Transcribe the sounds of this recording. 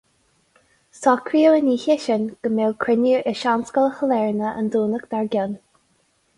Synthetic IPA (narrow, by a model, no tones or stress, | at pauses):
sɔkʰɾiːəwəniːçɪʃənɡ̥əmelkʰɹɪniɹʔɪʃanskələxəlɛɹnəʔə̰nd̪uːnəkd̪aɹɡʲən